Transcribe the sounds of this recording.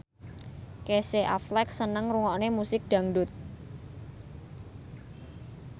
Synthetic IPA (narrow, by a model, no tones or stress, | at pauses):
keseʔa̰flɛk̚sənəŋruŋɔnemusɪk̚d̪̥ä̤ŋɖʊt̪̚